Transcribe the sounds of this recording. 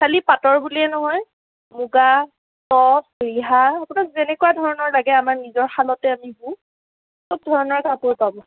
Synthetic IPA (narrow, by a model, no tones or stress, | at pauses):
kʰalipatɔɹbuliɛnɔɦɔj | muɡa | tɔsɹiɦaːpunakzenɛkuadʱɔɹɔnɔɹlaɡɛamaɹnizɔɹxalɔtɛamibũ | sob̚dʱɔɹɔnɔɹkapʊɹpabɔ